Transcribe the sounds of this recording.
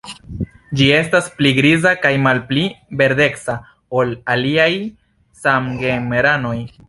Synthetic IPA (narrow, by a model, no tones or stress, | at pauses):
d͡ʒie̞staspliɡɾizakajmalplibe̞ɾde̞ksa | o̞laliaj | samɡemeɾano̞j